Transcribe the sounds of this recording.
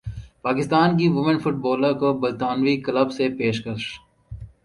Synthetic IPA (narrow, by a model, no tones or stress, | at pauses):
paːkɪst̪aːnk̬iʋʊmɪ̃nfʊʈbɔːləkobɐlt̪aːnʋikɐləbsepeːʃkɐɾʃ